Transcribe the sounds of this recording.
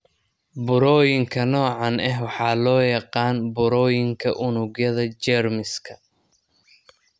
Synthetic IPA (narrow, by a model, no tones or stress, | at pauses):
bʊɾɔːjɪŋkʰɐnɔːʕɑnɛɦwɑħɑːlɔːjɑqɑːnbʊɾɔːjɪŋkʰɐʔʊnʊɣjɐðɐt͡ʃɛrmɪskʰɐ